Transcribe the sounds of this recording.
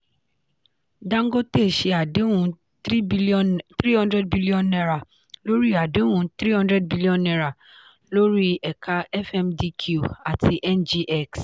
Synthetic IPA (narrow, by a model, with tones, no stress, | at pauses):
dã˦ŋ̩˦ɡo˦te˦˨ʃe˧a˨de˦wũ˦ | t̪ɾi˦hɔ̃˦ndɾɛ˦d̚bi˦li˦ɔ̃˨nɛ˧ɾa˨ | lo˦ɾi˦a˨de˨˦wũ˦t̪ɾi˦hɔ̃˦ndɾɛ˦d̚bi˦li˦ɔ̃˨nɛ˧ɾa˨ | lo˦ɾi˦ɛ˨kʰa˦ɛ˦fɛ˧mdi˧kʰu˦˨a˨ti˧ʔɛ˦nd͡ʒi˦ʔɛ˦ks